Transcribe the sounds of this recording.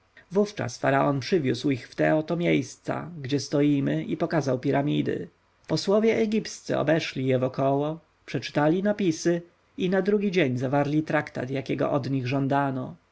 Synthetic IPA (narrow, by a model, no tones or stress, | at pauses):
vuft͡ʂa̰sfaɾaɔnpʂɘvʲjuswixft̪ɛɔt̪ɔmʲjejst̪sa̰ɡd͡ʑɛst̪ɔjimɘʔipɔkazawpʲiɾamʲid̪ɘ̰ | pɔswɔvʲjɛʔɛɡʲipst̪sɛ̰ɔ̰bɛʂlʲijɛvɔkɔwɔ | pʂɛt͡ʂɘ̥t̪alʲinapʲisɘ | inad̪ɾuɡʲid͡ʑeɲzavaɾlʲit̪ɾakt̪a̰t̪jakʲɛɡɔ̰ʔɔd̪ɲiɣʐɔnd̪anɔ